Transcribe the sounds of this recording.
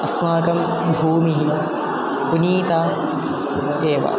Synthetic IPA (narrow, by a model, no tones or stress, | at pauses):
ɐsmaːkɐm | bʱuːmiɦi | kuniːt̪aː | ku | d̪eːʋa̰